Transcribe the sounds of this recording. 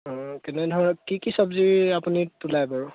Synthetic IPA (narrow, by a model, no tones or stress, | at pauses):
ɔ̃kɛnɛdʱɔɹnɔkikisɔbziɹapunitulajbaɹu